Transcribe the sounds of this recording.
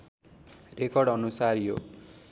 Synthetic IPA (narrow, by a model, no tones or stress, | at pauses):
rekʌrɽʌnusarjo̰